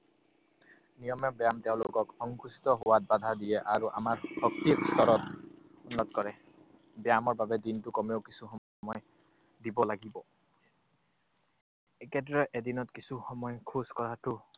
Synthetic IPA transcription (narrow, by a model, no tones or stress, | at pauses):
nijɔmɛbjamteʊ̃lʊkɔkhɔŋkusi̥t̪ɔɦowat̚bad̪ʱadiɛʔaɹuʔa̰maɹhɔk̚tikstɔɹɔt | unːɔtkɔɹɛ | bjamɔɹbabɛdintʊkɔmeokisuxɔ | mɔj | dibɔlaɡibɔ | ɛkɛdɹɛʔedinɔtkisuxɔmɔjkʰuskɔɹatʊ